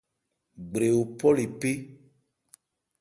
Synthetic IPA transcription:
ɡ͡bɾe˨wo˨pɔ˦li˨pe˦

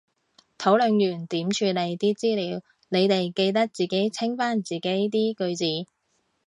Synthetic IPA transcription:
t̪ʰo˨˥wlɵ˨˧ŋjyː˨˩nt̪iː˨˥mt͡ʃʰyː˧le˨˧jt̪iː˥t͡siː˥liː˨˧w | ne˨˧jt̪e˨jke˧jt̪̬ɐ˥k̚t͡siː˨˩ke˨˥jt͡sʰɪ˥ŋfaː˥nt͡siː˨˩ke˨˥jt̪iː˥kɵ˧ɥt͡siː˨˥

